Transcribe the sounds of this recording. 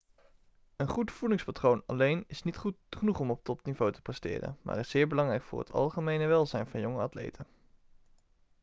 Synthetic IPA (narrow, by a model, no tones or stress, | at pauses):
ənχutfulɪŋspatrownɑ̰lejnɪsnitχutχənuχɔmɔp̚tɔpnivowtə̥prɛstɪ̰ːrə̰nma̰ːrɪsːɪːɹbəlɑŋrɛjkfʊːɹɦə̰tʰɑ̰lˠχəmejnəʋɛlˠzɛjnvɑnjɔŋəɑtlḛjtən